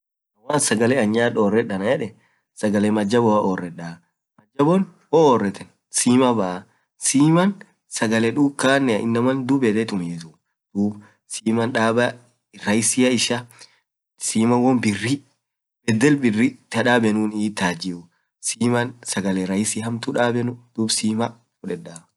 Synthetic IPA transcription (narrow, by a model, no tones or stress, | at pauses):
ɐwaːnsɐɡɐlɛɐɲːaːᶑoːrːɛᶑɐnɐjɛᶑɛ | sɐɡɐlɛmɐd͡ʒːɐbɔwɐʔoːrːɛᶑa | mɐd͡ʒːɐbɔnwɔoːrːɛt̪ɛn | siːmɐbɐʔɐ | siːmɐn | sɐɡɐlɛᶑuːkaːnːɛɐ̰ʔɪ̰nːɐmɐnd̪ubɛd̪ɛt̪ʼʊmeːt̪u | d̪̥uːb | siːmɐnᶑaːbɐ | ɾɐjɪsɪjɐɪʃɐ | siːmɐnwɔnbɪrːi | bɛd̪ːɛlbɪrːɪt̪ɐᶑaːbɛnuːniːt̪ːaːd͡ʒɪʊ | siːmɐnsɐɡɐlɛɾɐjɪsiɦɐmt̪uᶑaːbɛnʊd̪̥uːbsiːmɐ | fʊᶑɛᶑaː